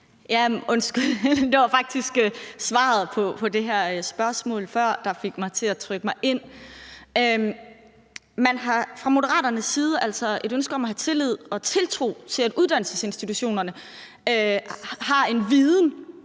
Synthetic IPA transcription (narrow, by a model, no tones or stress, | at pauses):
jæɔ̽nsɡ̥yld̥eɑ̈fɑ̈ɡ̥̚d̥isɡ̥øsʋɑ̰̈ð̞̩ˠpʰɒ̽pʰɒ̽de̝ɦæɐ̰sb̥ɶɐsmɔ̰̽ːlfɶɐ̰d̥ɑ̈fe̝ɡ̥mɑ̈ɪt͡sʰe̝æt͡sʰʁœɡ̥əmɑ̈ɪʔe̝n̰ | ø | mænɦɑ̈fʁɑ̈mo̝ɾəɐʁɑ̰ːɾɐnəsːiːð̞ˠəʔælsɒe̝ɾønsɡ̥əɒ̽mɒɦæt͡sʰe̝lið̞̰ˠɒ̽t͡sʰe̝lt͡sʰʁo̝̰ːt͡sʰe̝læd̥uð̞ˠd̥æn̰l̩səse̝nsd̥it͡sʰuɕo̝̰ːnɐnə | øhɑ̈e̝nʋiːðˠn̩